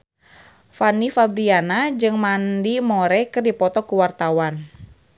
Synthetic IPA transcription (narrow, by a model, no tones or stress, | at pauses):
fanifabɾianad͡ʒɨŋmandimɔɾɛkɨrdipɔt̪ɔkuwart̪awan